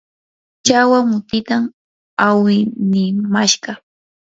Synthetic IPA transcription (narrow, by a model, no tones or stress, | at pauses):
t͡ʃawaŋʊt̪ɪt̪am | awɪnɪmaʃɢɑ